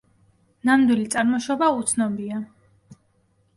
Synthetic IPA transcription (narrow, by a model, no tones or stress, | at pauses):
namd̪wilit̪sʼaɾmɔʃɔbaut̪sʰnɔbia